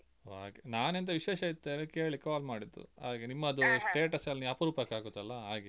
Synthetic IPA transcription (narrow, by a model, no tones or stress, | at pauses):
aːɡenaːnent̪̬ɐʋiʃeːʃɐit̪ːeːɾekeːɭɭikːaːlmaːɽid̪ːṵa̰ːɡenimːɐːd̪usʈe̞ːʈɐsɐlniɐpɐɾuːpɐkːaːɡut̪ɐlːɐɦaːɡi